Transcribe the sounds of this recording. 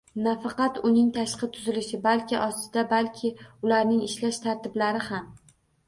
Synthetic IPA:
nafɑqɑt̪ʊnɪŋt̪ʰaʃqɨt̪ʰʊzɪlɪʃɪbalkʲʰɪʔɒst̪ɪd̪abalkʲʰɪʊlaɾnɪŋɪʃlaʃt̪ʰaɾt̪ɪblaɾɪham

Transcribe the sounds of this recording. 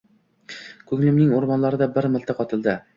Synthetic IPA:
kʰɵŋlɪmnɪŋoɾmɒnlaɾɪd̪abɪɾmɪlt̪aqʰɒt̪ʰɪld̪ɪ

